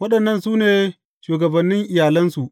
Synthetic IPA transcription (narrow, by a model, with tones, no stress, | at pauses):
wɐ˦ɗɐ˨nːɐ˦˨nsuː˦neː˨ | ʃuː˨ɡɐ˨bɐ˨nːɪ˦ŋʔɪ˨jaː˨lɐ˦nsu˨ʔ